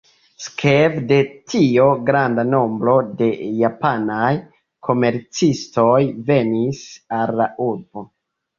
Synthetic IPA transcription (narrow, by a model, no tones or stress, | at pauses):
skʰevde̞tʰio̞ɡɾandano̞mbɾo̞de̞japanaj | kʰo̞me̞ɾt͡sisto̞jve̞nisalːaʔuɾbo̞